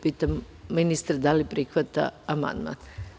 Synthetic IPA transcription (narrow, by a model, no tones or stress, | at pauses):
piːt̪am | minist̪ɾd̪alipɾixʋat̪a̰ama̰nd̪ma̰n